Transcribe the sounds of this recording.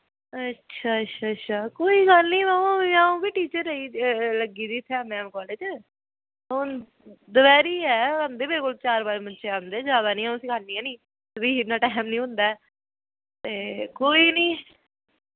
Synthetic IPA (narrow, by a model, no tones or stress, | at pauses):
ətːʃʰaːətːʃʰaːətːʃʰaːkoːiːɡəlnĩːmaːũːãːũːbiːʈiːt͡ʃəɾːəiːləɡiːd̪iːt̪ʰɛːmɛ̃ːmkɔːled͡ʒ | on | d̪əʋɛːɾiːɛːənd̪eːbɪlkʊlt͡ʃaːɾbaːɾmənt͡ʃeːənd̪eːd͡ʒaːd̪aːnĩːãsiːkalniːɛːnĩː | biːnãːʈɛːmnĩːɦʊ̃nd̪aːɛː | t̪eːkoːiːnĩː